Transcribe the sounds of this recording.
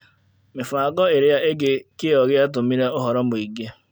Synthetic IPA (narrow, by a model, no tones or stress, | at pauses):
mɪfʊaɡɔɪɾɪjaeɡɪkɪɔɣɪat̬ʊm̩miɾeʊɦɔɾɔm̩ʊiɡe